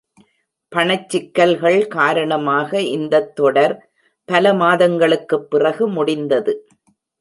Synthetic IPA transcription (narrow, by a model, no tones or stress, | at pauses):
pɐɳɐt͡ʃːɪkːɐlɣɐɭkaːɾɐɳɐmaːɣɐʔɪnd̪ɐt̪ːɔɽɐɾ | pɐlɐmaːðɐŋɡɐɭɯkːɯpːɪrɐɣɯmʊɽɪnd̪ɐðɯ